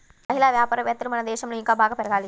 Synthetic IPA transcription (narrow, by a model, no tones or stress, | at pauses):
mɐɦilaːʋjaːpaːɾɐʋjɐːt̪ːɐɾumɐnɐd̪ɛːʃɐmloːiŋkaːbʱaːɡɐpɛɾɐɡaːli